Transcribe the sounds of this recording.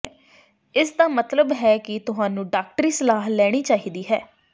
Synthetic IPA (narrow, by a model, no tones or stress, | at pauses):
ɪsd̪aːmət̪ləbɦɛːkɪt̪ʊɦaːnũːɖaːk̚ʈəɾiːsəlaːɦlɛːɽ̃iːt͡ʃaːɦiːd̪iːɦɛː